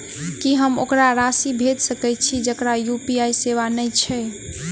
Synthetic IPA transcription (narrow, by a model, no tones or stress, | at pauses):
kiɦəmokɾaɾasibʱed̪səkɛt̪̚t͡ʃʰid͡ʒəkɾajupiajseβanəjt͡ʃʰɛ